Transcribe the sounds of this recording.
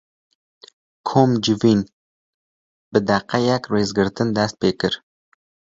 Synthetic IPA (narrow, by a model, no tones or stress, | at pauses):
kʰomd͡ʒɪvin | b̥ɪd̪aqʰːɑjakɾezɡɪɾt̪ʰɪnd̪ast̪̚pekʲɪɾ